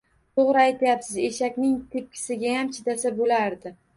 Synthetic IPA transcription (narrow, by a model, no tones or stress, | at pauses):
t̪oʁɾɪajt̪ʰajapsɪze̞ʃakʲnɪŋt̪ʰep̚kʲʰɪ̥sɪɡʲajamt͡ʃʰɪt̪asabolaɾd̪ɪ